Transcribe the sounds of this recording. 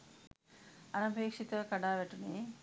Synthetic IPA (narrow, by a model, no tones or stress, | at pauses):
ɐnɐbʱeːkʂit̪ʋɐkɐɖaːʋeʈːune